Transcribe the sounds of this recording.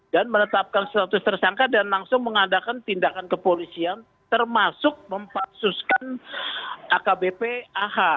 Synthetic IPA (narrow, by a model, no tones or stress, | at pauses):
danmənət̪ap̚kanst̪at̪ʊst̪ərsaŋkadanlaŋsʊŋməŋadakant̪indakankəpolisian | t̪ərmasʊk̚məmpak̚suskan | ʔakabepeaha